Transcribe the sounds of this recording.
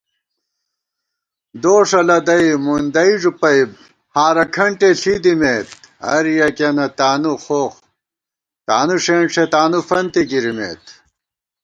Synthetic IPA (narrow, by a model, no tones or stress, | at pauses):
d̪oːʂɐlɐd̪ɐimund̪ɐiʐupɐjb̚ | haːɾɐkʰɐɳʈeɬid̪imeːt̪ | ɐ̰ɾijɐkenɐt̪aːnuxoːχ | t̪aːnuʂeːɳʂet̪aːnufɐnt̪ikiɾimḛːt̪